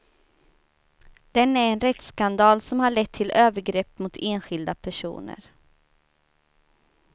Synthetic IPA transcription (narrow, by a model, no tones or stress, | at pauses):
d̪̥ɛnæɾɛnɾɛt̪skand̪ɑːlsɔmhaɭɛt̪ʰːɪløːvəɾɡɾɛpːmʊt̪ʰeːnɧɪld̪apʰæʂṵːnə̰ɾ